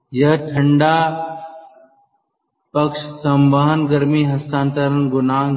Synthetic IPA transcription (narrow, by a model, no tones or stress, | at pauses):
jɐʈʰəɳɖaː | pɐkʃsɐmbaɦənɡɐɾmiːɦɐst̪aːnt̪əɾənɡʊnaː